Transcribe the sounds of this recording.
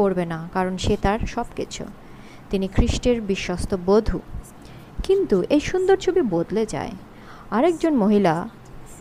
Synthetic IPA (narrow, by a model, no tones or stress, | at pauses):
oɾbenakaɾonʃet̪aɾʃɔbkit͡ɕʰo̰ | t̪inikʰɾiʃʈeɾbiʃːost̪obod̪ʱṵ | kint̪uʔejʃund̪oɾt͡ɕʰobibod̪led͡ʑa̰e | aɾek̚d͡ʑonmoɦila